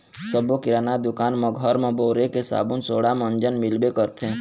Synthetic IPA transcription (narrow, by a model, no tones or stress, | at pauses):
səbokɪɾaːnad̪ʊkaːnməɡʱəɾmãboːɾekesa̰ːbunsoːɽamə̃nd͡ʒənmɪlbekəɾt̪ʰẽ